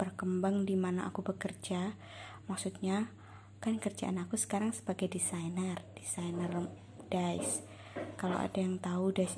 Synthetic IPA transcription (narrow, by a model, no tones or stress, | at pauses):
b̥ərkəmbaŋdimanaʔa̰kubəkərd͡ʒa | maksut̪̚ɲa | kanikərd͡ʒa̰ʔanakusə̥kaɾaŋsə̥baɡajdisajnərd̥isajnər | d̥aɪ̰s | kalo̰wa̰dajaŋt̪audaɪs